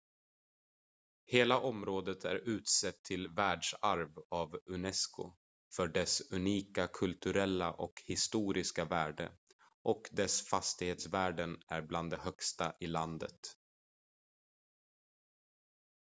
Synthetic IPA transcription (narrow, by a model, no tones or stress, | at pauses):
heːlaʔɔmɾoːd̪ət̪ʰæ̰ɾʉ̟ːt̪sɛt̪ʰːɪlvæːɖʂaɾvavɵnɛskʊ̰ | fœɖɛsɵniːkakʰɵlt̪ɵɾɛlːa̰ʔɔkhɪst̪uːɾɪskavæːɖə̰ | ʔɔkd̪ɛsfast̪ɪheːt̪svæːɖənæɾbland̪ɛhœkst̪aʔɪland̪ə̰t̪